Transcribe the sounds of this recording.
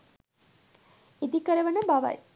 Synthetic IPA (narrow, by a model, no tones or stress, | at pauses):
id̪ikːɐɾɐʋɐnɐmbaːʋa̰ːj